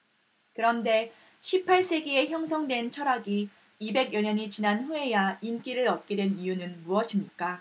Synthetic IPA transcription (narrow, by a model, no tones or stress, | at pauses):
kɯɾʌnde̞ | ɕʰipʰaɭs͈e̞ɡie̞çjʌŋsʰʌŋdwe̞nt͡ɕʰʌɾaɡiː | be̞ɡjʌɲʌɲit͡ɕinanɸue̞jaink͈iɾɯɾʌt̚k͈edwe̞nijunɯnmuʌɕʰimɲik͈a